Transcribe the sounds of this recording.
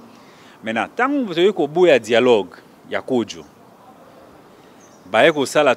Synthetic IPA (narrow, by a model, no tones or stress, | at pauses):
mɛna̰taŋɡutoikobujadialɔɡ | ja̰kod͡ʒo̰ | bajekosala